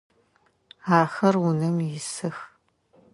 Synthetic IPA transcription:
aːxɐrʊnɐmjɪsɨx

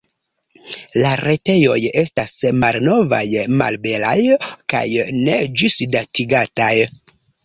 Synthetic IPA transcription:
laɾe̞te̞jo̞je̞stasmalno̞va̰jma̰lbe̞lajka̰jne̞d͡ʒusdatiɡataj

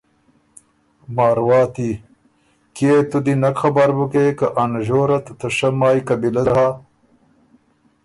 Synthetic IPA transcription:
maːɾwɑːt̪i | keːt̪ud̪inɐkxɐbaɾbukekɐʔanʑoːɾɐt̪t̪ɐʂɐmaːjkɐbilɐzha

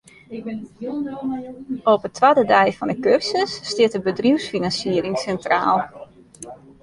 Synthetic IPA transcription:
opətʰʋaːdədɛjfɔndəkørsəsːtɪətəbədriwsfinansiəɾɪŋsɛntra̰ːlˠ

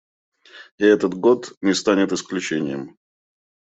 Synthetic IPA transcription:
ɪɛt̪ət̪ɡot̪nʲɪst̪anʲɪt̪ɨsklʲʉt͡ɕenʲɪjəm

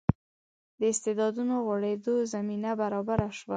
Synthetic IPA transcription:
d̪əɪst̪ed̪ɑd̪unoɣwaɽed̪ozaminabaɾɑbaɾaʃwa

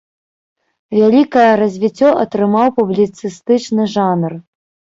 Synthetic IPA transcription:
vʲalʲikɐjɐrɐzʲvʲit͡sʲːɔʔɐt̪ɾɨmawpublʲit̪sɨst̪ɨt͡ʂnɨʐanr

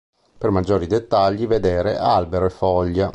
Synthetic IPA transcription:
permad͡ʒːoːɾid̪et̪ːaʎːived̪eːɾḛʔalbeɾoefːɔʎːa

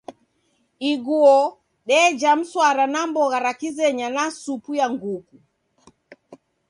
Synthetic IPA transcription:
iɡuɔ | ɗɛd͡ʒam̩swaɾanambɔɣaɾakizɛɲanasupujaŋɡuku

